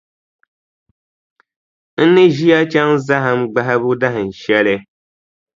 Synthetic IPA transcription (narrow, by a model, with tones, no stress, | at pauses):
n̩˦nɪ˦ʒi˦a˦t͡ʃa˦ŋza˦ɦa˦mɡ͡ba˦ɦɪ˦bʊ˦da˦ɦɪ˨n̩˨ʃɛ˦lɪ˦